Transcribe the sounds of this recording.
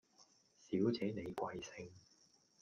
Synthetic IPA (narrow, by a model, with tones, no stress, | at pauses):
siː˨˥wt͡sɛː˨˥ne˨˧jkʷɐ˧jsɪ˧ŋ